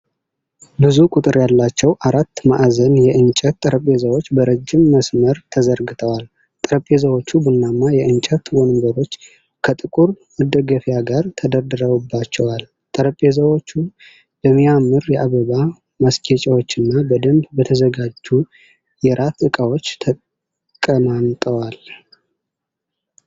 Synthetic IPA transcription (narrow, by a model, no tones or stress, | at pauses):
bɨzukʼut̪ʼɨɾjalːat͡ʃːɛwʔaɾat̪ːmaʔzənjɛʔɨnt͡ʃʼɛt̪ʼːəɾəpʼe̞zəwot͡ʃːbəɾəd͡ʒːɪmːəsməɾt̪ʰəzəɾɡɨt̪ʰəwal | t̪ʼəɾəpʼːezəwo̞t͡ʃːubunːamːajɛʔɨnt͡ʃʼət̪wonɨmbəɾo̞t͡ʃː | kʰət̪ʼɨkʼuɾmɨd̪əɡəfijaɡaɾt̪ʰəd̪əɾd̪ɨɾəwubːat͡ʃːɛwal | t̪ʼɨɾəpʼːezəwo̞t͡ʃːu | bəmːijamːɨɾjɛʔaβəβa | məskʰet͡ʃʼawo̞t͡ʃːɨnːabəd̪əmbbət̪ʰəzəɡad͡ʒːu | jɛɾʔat̪ɨkʼawo̞t͡ʃːt̪ʰə | kʼəmamt̪ʼəwal